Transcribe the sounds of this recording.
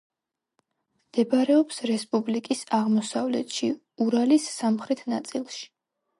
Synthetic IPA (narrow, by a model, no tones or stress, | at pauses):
md̪̥ɛbɾɛɔpsɾɛspʼublikʼisaʁmɔsavlɛ̰t̪ʃi | uɾalisːamχɾɛt̪ʰnat̪sʼilˠʃi̥